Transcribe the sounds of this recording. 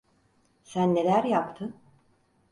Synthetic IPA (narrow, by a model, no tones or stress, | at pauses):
sænːe̞lʲæɾjapt̪ʰɯ